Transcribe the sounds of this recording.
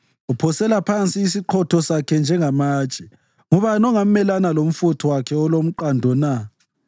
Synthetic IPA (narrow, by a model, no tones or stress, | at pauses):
upʰɔsɛlapʰant͡sʼiːsiǃʰɔtʰɔsakʰɛnd͡ʒʱɛŋamaːt͡ʃʼɛ | ŋɔβanɔŋam̩mɛlanalom̩futʰɔwakʰɛɔlom̩ǃandʱɔna